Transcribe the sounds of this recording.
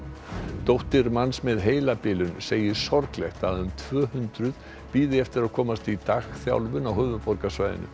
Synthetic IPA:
t̪owht̪ɪɾmansmɛðɦeːjlapɪːlʏnseːjɪsɔɾklɛht̪aðʏmt̪ʰv̥œːhʏnt̪ɾʏð | piːðɪɛft̪ɪɾaðkʰɔːmast̪it̪axθja̰wlvʏnawhʏːvʏpɔɾkasvajðɪ̰nːʏ̰

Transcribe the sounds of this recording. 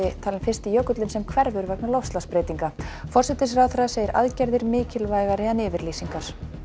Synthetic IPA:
ɪt̪ʰaːlɪmfɪrst̪ɪjœkʏt̪lʏnsɛmkʰvɛɾvʏɾvɛknalowfst̪laspɾeːjt̪iŋkafɔrsɛt̪ɪsɾaːðfɾaðaseːjɪɾʔa̰ðcɛɾðɪɾmɪːcɪlvaːjɣaɾɪanɪːvɪɾliːsiŋkaɾ̥

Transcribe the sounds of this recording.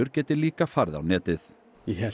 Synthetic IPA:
ʏɾcɛːt̪ɪliːkafaɾða̰wnɛːt̪ɪθ | ɛɦɛ

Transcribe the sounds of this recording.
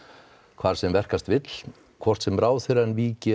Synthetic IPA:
kʰv̥aːɾ̥sɛmvɛr̥kast̪vɪt̪l̥ | kʰvɔr̥t̪sɛmɾaːwθɪɾɛnviːcɪ

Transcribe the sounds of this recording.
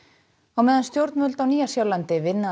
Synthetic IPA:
awmɛːðanst̪jowɾt̪nmʏlt̪awniːjasjawlant̪ɪvɪnːa

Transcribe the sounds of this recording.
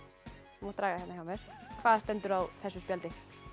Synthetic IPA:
mɔːt̪ɾaːɣahɛnaçawmjɛɾ̥kʰvaːðst̪ɛnt̪ʏɾawθɛsːʏspjalt̪ɪ

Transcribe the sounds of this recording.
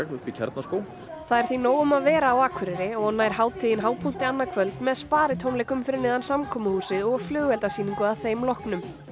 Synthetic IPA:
ɣʏicʰɛ̰ɾt̪naskoːwl | θaðɛɾ̥θinoːwʏmaðvɛːɾaːwaːkʰvʏɾɪɾɪɔɣnaːjɾ̥haːwt̪ʰiːðɪnɦaːwpʰult̪ɪanːakʰvœlt̪nmɛðspaːɾɪt̪ʰownlejkʏmfɪɾɪnɪːðansamkʰɔːmahuːsɪðɔɣflʏːɣɛlt̪asiːniŋkʏaðθejmlɔhknʏm

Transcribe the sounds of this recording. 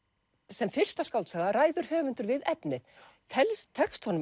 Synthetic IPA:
sɛmfɪr̥st̪askawlt̪saːɣðaɾaːjðʏɾ̥hœːvʏnt̪ʏɾvɪðɛpnɪðt̪ʰɛlst̪ʰɛkst̪hɔnʏ

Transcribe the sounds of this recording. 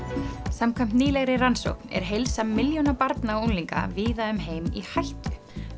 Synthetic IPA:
samkʰvɛm̥t̪niːlɛɣɾɪranso̰wknɛ̰ɾ̥ɦejlsamːɪljonapaɾt̪naownliŋka̰viːðaʏmɦeːjmihajht̪ʏ̥

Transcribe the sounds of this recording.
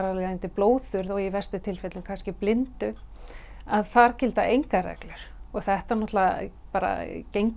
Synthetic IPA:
ɾalɛant̪ɪploːwðθʏɾðɔɣivɛr̥st̪ʏt̪ʰɪlfɛt̪lʏmkʰanscɪplɪnt̪ʏ | aðθaɾ̥cɪlt̪aʔejŋkarɛ̰klʏɾ̥ɔɣθɛht̪aɾnɔt̪lapaːɾa̰cejŋk

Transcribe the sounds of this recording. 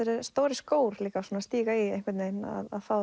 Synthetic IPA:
eɾɪst̪oːwɾɪskoːwɾ̥liːkasuːnast̪iːɣaiehŋkvɪɾt̪nejna̰ða̰ðfaːw

